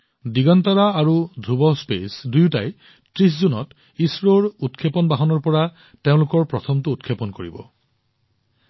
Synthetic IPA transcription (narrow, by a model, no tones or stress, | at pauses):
diɡɔntaɹaːɹudʱɹubɔspḛsdujta̰j | tɹiszunɔ̰t | isɹoɹutkʰepɔnbaɦɔnɔɹpɔɹa | teʊ̃lʊkɔɹpɹɔtʰɔmtʊːtkʰepɔnkoɹḭbɔ̰